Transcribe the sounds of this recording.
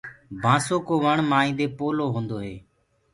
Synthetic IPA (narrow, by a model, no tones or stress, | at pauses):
bʱãːsoːkoːʋəɳmaːĩːnd̪eːpoːloːɦõːnd̪oːɦeː